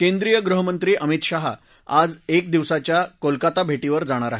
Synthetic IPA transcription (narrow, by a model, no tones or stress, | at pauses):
kẽnd̪ɾijəɡɾuɦəmənt̪ɾiːʔəmit̪ɕaɦa̰ | ad͡zek̚d̪iʋsat͡ɕjakolkat̪abʱeʈiʋəɾd͡zaɽ̃aɾaɦe